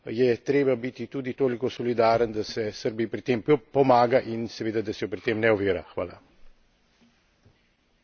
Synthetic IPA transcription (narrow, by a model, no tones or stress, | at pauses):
jɛt̪ɾeːbabit̪it̪uːd̪it̪oːlikɔsɔlid̪aːɾənd̪asɛsəɾbijipɾit̪eːmpɔmaːɡaʔinsɛʋeːd̪ad̪asɛjɔpɾit̪eːmnɛɔʋeːɾa̰xʋa̰ːla̰